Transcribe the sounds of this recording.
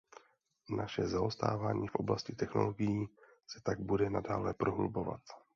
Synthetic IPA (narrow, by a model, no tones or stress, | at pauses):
nʔaʃɛzaost̪a̰ːvaːɲiːfʔo̞blascɪt̪ɛxno̞̰lo̞ɡɪjiː | sɛ̥t̪aɡ̚budɛnadaːlɛpɾoɦlubo̞va̰t̪